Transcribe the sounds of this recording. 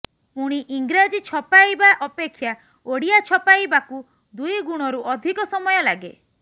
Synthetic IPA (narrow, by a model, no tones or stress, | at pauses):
uɽ̃iʔiŋɡɾad͡ʒit͡ʃʰɔpajbaʔɔpekʰːja | oɽijat͡ʃʰɔpajbaku | d̪ujɡuɽ̃ɔɾuʔɔd̪ʱikɔsɔmɔjɔlaɡe